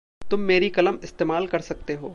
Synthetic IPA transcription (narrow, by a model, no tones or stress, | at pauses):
t̪ʊmːeːɾikɐləmɪst̪eːmaːlkɐɾsɐk̚t̪eɦoː